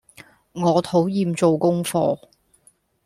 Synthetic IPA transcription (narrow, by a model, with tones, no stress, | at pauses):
ŋɔː˨˧t̪ʰo˨˥wjiː˧mt͡so˨wkʊ˥ŋfɔː˧